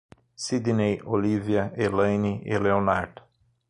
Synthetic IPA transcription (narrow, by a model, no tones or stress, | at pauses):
sid̪inejoliviɐelɐ̃jniɪleonaɾd̪